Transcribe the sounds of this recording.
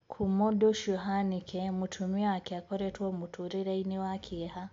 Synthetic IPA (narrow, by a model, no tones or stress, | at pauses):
kʰumɔdɔʃuɦanikʰɛmutʰumiaakiakɔɾɛtuɔmutʰuɾiɾainiwakʰiɛha